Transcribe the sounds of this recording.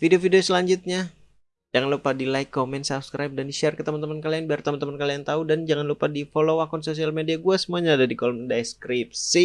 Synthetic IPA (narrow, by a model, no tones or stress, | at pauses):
fidiofidiosəlaɲd͡ʒut̪̚ɲa | d͡ʒaŋanlupadilajkːomɛnt̪sap̚skɾajp̚dandiʃɛrkət̪əmant̪əmankalianbəart̪əmant̪əmankaliaŋt̪audand͡ʒaŋanlupadifolowakɔnsos̬ialmediaɡuasəmuaɲaːdadikɔlməndajskɾip̚si